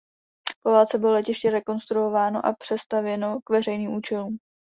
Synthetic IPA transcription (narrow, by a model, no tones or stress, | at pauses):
povaːt͡sɛbɪlolɛcɪʃcɛɾɛko̞nst̪ɾuo̞vaːno̞̰ʔapr̥ɛst̪avjɛno̞kvɛrɛjniːmʔuːt͡ʃɛluːm